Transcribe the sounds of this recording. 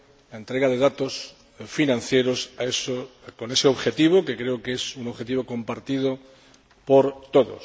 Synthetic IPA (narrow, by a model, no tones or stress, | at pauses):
laent̪ɾe̞ɣaðeðat̪os | finãn̟θjeɾosaesokone̞seo̞βxe̞t̪iβ̞okekɾeokesunoβxe̞t̪iβokõ̞mpaɾt̪ið̞o | poɾt̪oðo̰s